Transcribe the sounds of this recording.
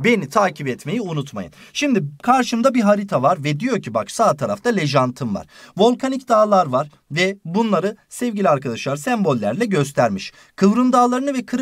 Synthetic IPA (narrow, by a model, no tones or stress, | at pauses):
be̞nit̪ʰaːcʰipɛt̪me̞jiunut̪ma̰jɯ̰n | ʃimd̪ikʰaɾʃɯmd̪abiɦaɾit̪ʰavaɾvɛd̪ijo̞ɾcʰibaksaːt̪ʰaɾaft̪ʰalʲe̞ʒant̪ʰɯmva̰ɾ̥vo̞lˠkʰanicd̪aːlˠaɾvaɾ | vɛbunlˠaɾɯsɛvɟilʲiaɾkad̪aʃlˠaɾsɛmbo̞lʲːæɾlʲɛɟø̞s̬t̪ʰæɾmiʃ | kʰɯvɾɯnd̪aːlˠaɾɯnɯvɛkʰɯɾ